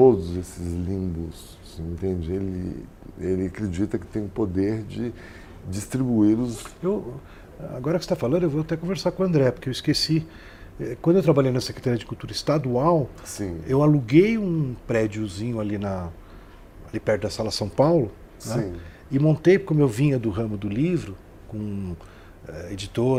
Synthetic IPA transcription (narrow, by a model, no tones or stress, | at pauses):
t̪od̪ʊzesɪzlĩbʊs | sĩẽnt̪ẽd͡ʒɪelɪ̰ | elɪakɾed͡ʒit̪ɐkɪ̥t̪ẽj̃ʊpod̪eɾd͡ʒɪ | d͡ʒist̪ɾibuiɾʊzew | aɡɔɾɐkɪse̥t̪afalɐ̃nd̪oewvoat̪ɛkõveɾsaɾkõɐ̃nd̪ɾɛpoɾkewɪiskesi | ɛkwɐ̃d̪ʊewt̪ɾabaʎejnɐsekɾet̪aɾiɐd͡ʒɪkuwt̪uɾɐist̪ad̪uaw | sĩewaluɡejũpɾɛd͡ʒiʊzĩɲʊalinɐ | alipɛɾt̪ʊd̪ɐsalɐsɐ̃w̃pawlʊ | nɛ̃ | ɪmõnt̪ejkõmewvĩɲɐd̪ʊɦɐ̃mʊd̪ʊlivɾʊ | kõ | ɛed͡ʒit̪oɾ